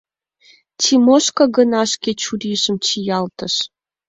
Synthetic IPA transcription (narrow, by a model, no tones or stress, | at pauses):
t͡ɕimoʃkɑɡənɑʃkʲet͡ɕuɾiʒə̆mt͡ɕijɑlt̪ə̆ʃ